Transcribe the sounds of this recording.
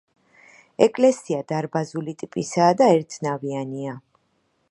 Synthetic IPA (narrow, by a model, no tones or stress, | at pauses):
ɛkʼlɛsiad̪aɾbazulit̪ʼipʼisaːd̪aɛɾt̪ʰnaviania